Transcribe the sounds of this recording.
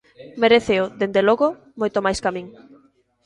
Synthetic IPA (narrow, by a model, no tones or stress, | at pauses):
meɾeθeoðend̪eloɣo | mojt̪omajskamĩŋ